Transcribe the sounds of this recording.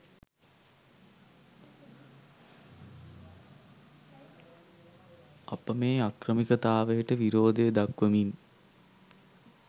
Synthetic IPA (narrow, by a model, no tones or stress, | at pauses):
ɐpəmeːakrəmikət̪aːʋəjəʈəʋiɾoːd̪ejəd̪akʋəmin